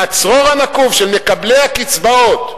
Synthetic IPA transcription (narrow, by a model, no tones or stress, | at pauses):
at͡sʁoʁanakuvʃelme̞kablejakit͡sbaot̪